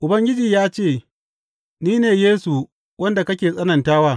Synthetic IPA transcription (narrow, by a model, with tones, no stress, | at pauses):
ʔʊ˨bɐ˦ŋɡʲɪ˦d͡ʒiː˨jaː˦t͡ʃeː˦˨ | niː˦neː˨jeː˦su˨ | wɐ˦nda˨kɐ˦kʲeː˨sʼɐ˦nɐ˨ntaː˦waː˦˨